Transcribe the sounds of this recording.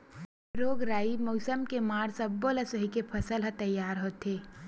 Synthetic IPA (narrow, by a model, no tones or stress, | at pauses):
ɾoːɡɾaːimɐːsəmkemaːɾsɐbːoːlɐsɐɦikepʰɐsəlɦɐt̪ɐjːaːɾɦoːt̪eː